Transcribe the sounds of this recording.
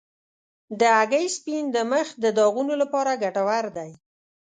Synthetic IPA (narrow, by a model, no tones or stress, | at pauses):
d̪əaɡəjspind̪əməxd̪əd̪ɑɣunolapɑɾaɡaʈawaɾd̪aj